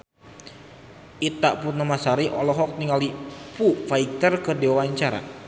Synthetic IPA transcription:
ʔit̪aʔpunamasaɾiʔɔlɔɦɔk̚niŋalipufaik̚t̪ərkərdewawaɲt͡ʃaɾa̰

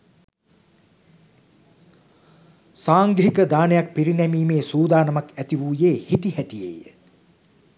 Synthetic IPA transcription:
saːŋɡɦikəd̪aːnejak̚piɾinɛmiːmeːsuːd̪aːnɐmakæt̪iʋuːjeːhit̪ihæʈijḛjə̰

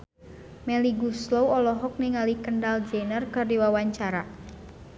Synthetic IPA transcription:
mɛliɡuslowɔlɔɦɔk̚niŋalikəndald͡ʒenərkərdiwawaɲt͡ʃaɾa

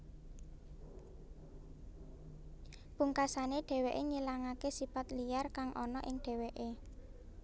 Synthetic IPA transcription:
b̥uŋkasaneɖ̥e̤weʔeɲilaŋakesifat̪lijarkaŋʔɔnɔ̰ʔɪŋɖ̥e̤weʔe

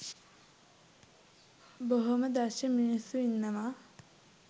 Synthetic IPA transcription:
boɦoməd̪aʃəminisːuinːɐma

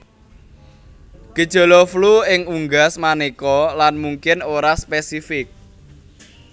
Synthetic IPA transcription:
ɡ̥əd̥ʒ̥o̤lɔfluɪŋuŋɡasmanekɔlanmuŋkɪnoɾaspesifɪk̚

